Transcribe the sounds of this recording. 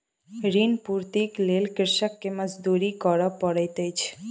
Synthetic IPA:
ɾinpuɾt̪iklelkɪɾʃəkːeməd͡ʒd̪uɾikɔɾəpːəɽet̪et͡ʃʰe̥

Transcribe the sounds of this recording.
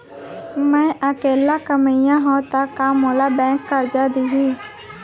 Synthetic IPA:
mɛ̃ːʔəkeːlakəməjãɦõːt̪əkːaːmoːlabɛ̃ːkːəɾd͡ʒad̪iɦi

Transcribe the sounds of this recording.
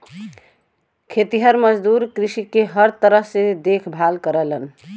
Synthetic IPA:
kʰet̪iɦəɾməd͡ʒd̪uɾkɾisikeɦəɾt̪əɾəɦsed̪ekʰbʱalkəɾələn

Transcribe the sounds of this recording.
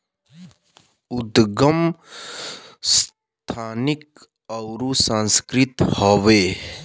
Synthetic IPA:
ʊd̪ɡəm | s | t̪ʰaːnɪk̚ | əʊɾusãnskɾɪt̪hoːʋeː

